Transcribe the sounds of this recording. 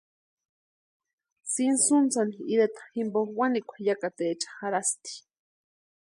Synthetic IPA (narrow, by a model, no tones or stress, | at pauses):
sinsunt͡saniiɾet̪ḁximboxwanikʷʰḁjakat̪eːt͡ʃḁxaɾast̪i̥